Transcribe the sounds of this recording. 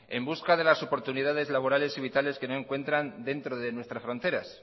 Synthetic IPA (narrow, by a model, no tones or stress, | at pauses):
e̞mbuskaðe̞laso̞po̞ɾt̪uniðað̞e̞zlaβ̞o̞ɾale̞siβ̞it̪ale̞ske̞no̞e̞ŋkwe̞nt̪ɾand̪e̞nt̪ɾo̞ðe̞nwe̞st̪ɾasfɾo̞nt̪e̞ɾas